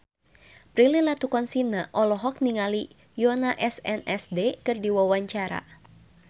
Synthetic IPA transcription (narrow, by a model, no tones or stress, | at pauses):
pɾililat̪ukɔnsinaʔɔlɔɦɔk̚niŋali | jɔnaʔɛsɛnɛsdekɨrdiwawaɲt͡ʃaɾa̰